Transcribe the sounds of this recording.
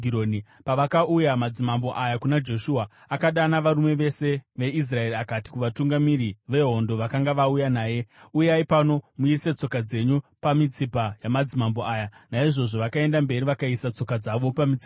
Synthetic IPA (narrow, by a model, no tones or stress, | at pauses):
ionipaʋakaʔujamad͡zimambo̞ʔajakunad͡ʒo̞ʃuaː | kaɗanaʋaɾume̞ʋe̞se̞ʋe̞is̬rae̞riakati̥kuʋatuŋɡamiɾiʋe̞ɦo̞ndo̞ʋakaŋɡaʋaujanaːje̞ujaipano̞muise̞t͡so̞kad͡ze̞ɲupamit͡sipajamad͡zimambo̞aːjanaiʐo̞ʐo̞ʋakae̞ndambe̞riʋakaisat͡so̞kad͡zaʋo̞pamit͡si̥a